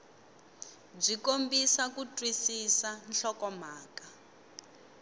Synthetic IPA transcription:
b͡ʐikombisakutʼwisisanɬɔkɔmaːka

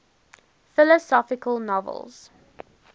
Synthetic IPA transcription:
fɪləsɔfɪkəlˠnɔvə̰lˠz̥

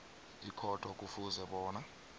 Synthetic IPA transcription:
ikʰɔtʰʼɔk̬ʼufuzɛɓɔːna

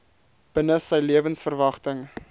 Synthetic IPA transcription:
b̥ənəsəjliəvənsfərvɐχtəŋ

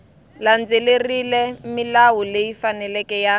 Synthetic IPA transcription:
land͡zelerilɛmilawulejifanɛlɛkɛja

